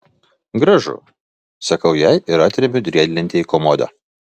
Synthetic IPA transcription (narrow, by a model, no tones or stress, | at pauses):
ɡɾɐʒʊ̰ | sɐkɐʊjɛɪɪɾɑːt̪ʲɾʲɛbʲʊd̪ʲɾʲiɛd̪ʲlʲɪnʲt̪ʲɪiːkɔmɔd̪ɐ̰